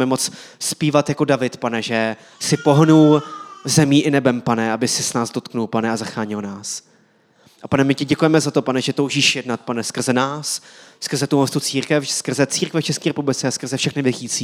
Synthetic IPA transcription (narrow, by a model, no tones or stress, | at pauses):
mɛmot͡sspiːvat̪jako̞davɪt̪panɛʒɛ | sɪpo̞ɦnulzɛmiːʔɪnɛbɛmpanɛabɪsɪsnaːzdo̞t̪knulpanɛazaxaːɲɪlnaːs | ʔapanɛmɪcɪɟɛkujɛmɛzat̪o̞panɛʒɛt̪owʒiːʃjɛdnat̪̚panɛskr̩zɛnaːsskr̩zɛt̪uɦost̪ut͡siːɾkɛfskr̩zɛt͡siːɾkvɛft͡ʃɛskiːɾɛpublɪt͡sɛaskr̩zɛfʃɛxnɪvɪxiːt͡siː